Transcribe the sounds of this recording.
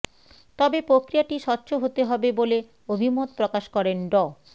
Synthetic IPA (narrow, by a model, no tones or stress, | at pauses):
t̪ɔbepɾokɾijaʈiʃɔtːɕʰoɦot̪eɦɔbebole | obʱimot̪̚pɾokaʃkɔɾenɖɔ